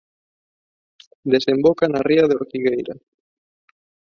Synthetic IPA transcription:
d̪esembokanariɐðeoɾkiɣejɾa

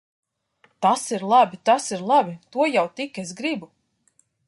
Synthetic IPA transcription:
t̪asiɾlˠabʲit̪asiɾlˠabʲit̪uɔjawt̪ikʲes̬ɡɾibu

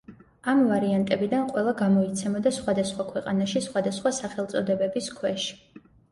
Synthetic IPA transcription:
amvaɾiant̪ʼɛbid̪anqʼwɛlˠaɡamɔit̪sʰɛmɔd̪asχwad̪asχwakʰwɛqʼanaʃisχwad̪asχwasaχɛlˠt̪sʼɔd̪ɛbɛbiskʰwɛʃi̥

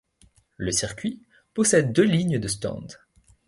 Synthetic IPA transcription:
ləsiʁkʲɥi | pɔsɛd̪ːøliɲd̪əst̪ɑ̰̃d̪

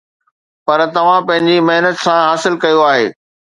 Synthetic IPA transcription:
pɐɾt̪ɐʋ̤ãpɐ̃ɦɪ̃ɲd͡ʑimɐɦnət̪sãɦaːsɪlkɐjoaːɦeː

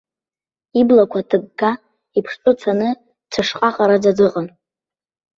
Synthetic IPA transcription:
iblakʷʰatʰɨɡɡa | ipʰʂt͡sʼʊt͡sʰanɨ | t͡sʰaʂqʼaχʼaɾad͡zad͡zɨqʼan

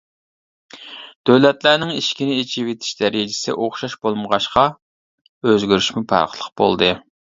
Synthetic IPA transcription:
d̪̥øwlɛt̪læɾnɪŋiʃkʲinɪet͡ʃʰiwet̪ʰɪ̥ʃd̪ɛɾɪd͡ʒɪ̥sɪ̰ʔoχʃɑʃbolˠməʁɑʃqɑ | øzɡʲyɾyʃmupʰɑ̰ɾqʰəlˠəq̚b̥o̰lˠd̪ɨ

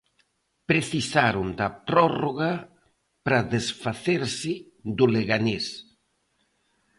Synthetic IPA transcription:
pɾeθisaɾʊnd̪ɐpɾɔroɣa | pɾaðesfaθeɾsɪ | d̪ʊleɣanes

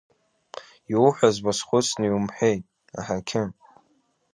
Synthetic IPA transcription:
jowħʷazbasχʷʊt͡sʰʼnɨjwumħʷᶣejtʼ | a̰ħakʲʰɪ

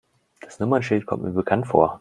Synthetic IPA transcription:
d̥asnʊmɐnʃɪltkʰɔ̰mtmḭːɐbəkʰantfo̰ːɐ

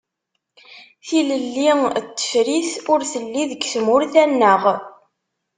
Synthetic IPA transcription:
θiləlːit̪ːə̥fɾiθʊɾθəlːiðəɡθmʊɾθænːəʁ

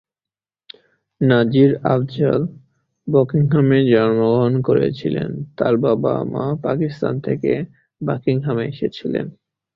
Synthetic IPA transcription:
nad͡ʑiɾa̰bd͡ʑa̰l | bɔkiŋɦamed͡ʑɔnmoɡoɦonkoɾḛt͡ɕʰilent̪aɾbaba̰mapakist̪ant̪ʰeke | bakiŋɦameeʃet͡ɕʰilen

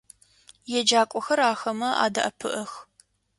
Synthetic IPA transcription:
jɛd͡ʒaːkʷʼɔxɐɾaːxɐmɐʔa̰ːdɐʔɐpʰɨ̰ʔɐx

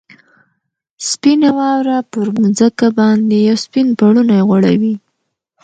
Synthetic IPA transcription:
spinawɑwɾapəɾmud͡zakabɑnd̪ejawspinpaɽunajeɣaɽa̰wi

